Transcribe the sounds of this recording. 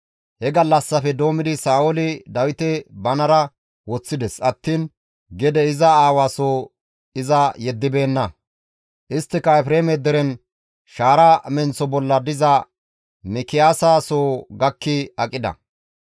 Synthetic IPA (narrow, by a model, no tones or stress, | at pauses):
hɛɡɐlːɐsːɐfɛd̪o̞ːmɪd̪ɪsaːʔolɪd̪ɐwɪt̪ɛbɐnɐɾɐ | wɔt͡sːɪd̪ɛsɐt̪ːiːn | ɡɛd̪ɛɪzɐaːwaːsoː | ɪzɐjɛd̪ːɪbe̞ːnːɐ | ʔɪst̪ːɪkːɐɛfɾeːmɛd̪ɛɾɛn | ʃaːɾɐmɛnt͡sɔbɔlːɐd̪ɪzɐ | mɪkɪjaːsaːsoːɡɐkːɪɐkʼɪd̪ɐ̰